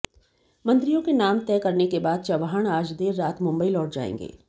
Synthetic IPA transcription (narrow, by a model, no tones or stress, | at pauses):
mɐ̃nt̪ɾijõkenaːmt̪ɛːkɐɾnekebaːd̪̚t͡ʃɐʋaɦəɽ̃aːd͡ʒd̪eːɾːaːt̪mʊ̃mbəilɔːʈ̚d͡ʒa̰ːḛ̃ːŋɡḛː